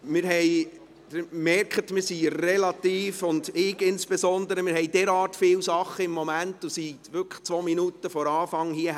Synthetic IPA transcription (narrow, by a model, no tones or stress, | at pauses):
mɪɾɦɛj | d̥ɪmɛrkχət̪mɪɾsirɛlɑt̪iːfʊndɪɡɪnsb̥esɔnd̪əɾəmɪɾhɛɪdɛɾɑːtfɪwsɑχːəɪmːɔmæntːusiʋʏkʰə̥χt͡sʋɔːminutəfɔɾɑːfɑŋhiə